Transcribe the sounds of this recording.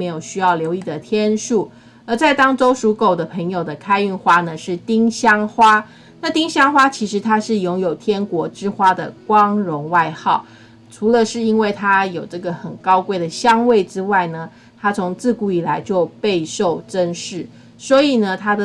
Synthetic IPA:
me˧˥ɪjo˨˩ʊɕy˥jɑ˥˩ʊljo˧ʊi˥˩d̪ə˩t̪ʰjɛ˥nʂu˥˩ | ə˞˧˥t͡sa˥˩ɪt̪ɑ˥ŋʈ͡ʂo˥ʊʂu˧˥ko˨˩ʊd̪ə˦pʰə˧˥ŋjo˨˩ʊd̪ə˩kʰa˥ɪy˥˩nxwa˥nə˨ʂɻ̩˥˩t̪i˥ŋɕjɑ˥ŋxwa˥ | na˥˩t̪i˥ŋɕjɑ˥ŋxwa˥t͡ɕʰi˧˥ʂɻ̩˧˥t̪ʰa˥ʂɻ̩˥˩jʊ˥ŋjo˨˩ʊt̪ʰjɛ˥nkwɔ˧˥ʈ͡ʂɻ̩˥xwa˥d̪ə̰˨kwɑ˥ŋɻʊ˧˥ŋwa˥˧ɪxɑ˥˩ʊ | ʈ͡ʂʰu˧˥lə˧ʂɻ̩˥˩i˥nwe˥˩ɪt̪ʰa˥jo˨˩ʊʈ͡ʂɤ˥˩ɡə˩xə˨˩nkɑ˥ʊkwe˥˩ɪd̪ə˩ɕjɑ˥ŋwe˥˩ɪʈ͡ʂɻ̩˥wa˥˩ɪnə˩ | t̪ʰa˥t͡sʰʊ˧˥ŋt͡sɹ̩˥˧ku˥˩i˨˩la˧˥ɪt͡ɕjo˥˧ʊpe˥˧ɪʂo˥˩ʊʈ͡ʂə˥nʂɻ̩˥˩ | swɔ˧˥i˨˩nə˩t̪ʰa˥d̪ə˨

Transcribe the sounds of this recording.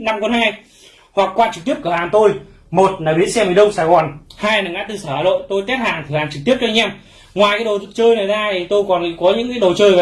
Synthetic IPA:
na˧mko˧nhaː˧j | hwa˨˩k̚kːwaː˧t͡ɕɨ˨˩k̚t̪i˦˥əp̚kəː˧˩˨haː˨˩nt̪o˧j | mo˨˩t̚naː˨˩ɓḭ˨˧˥ənsɛ˧mi˨˩ɗə˧wŋ͡msaː˧˩jɣɔ˨˩nhaː˧jnaː˨˩ŋa̰ː˧˥t̪ɨ˧˩səː˧˩a˧˩lo̰˧˨jt̪o˧jt̪ɛ˦˥t̚haː˨˩ŋt̪ʰɨ˨˩haː˨˩nt͡ɕɨ˨˩t̪i˦˥əp̚t͡ɕɔ˧ʔɛ˧m | ŋwaː˨˩jkaː˨˦jɗo˨˩˨t͡ɕəː˧jna˨˩jzaː˧t̪i˨˩t̪o˧jkɔ˨˩n˧˨kɔ˨˦ɲɨ̰˧˥ŋkaː˨˦jɗo˨˩t͡ɕəː˧j

